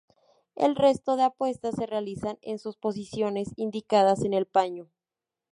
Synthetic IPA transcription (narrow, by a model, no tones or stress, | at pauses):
ḛlre̞st̪o̞ðe̞apwe̞st̪asːe̞realisanḛnsuspo̞s̬isjo̞ne̞sind̪ikað̞ase̞ne̞lpaɲo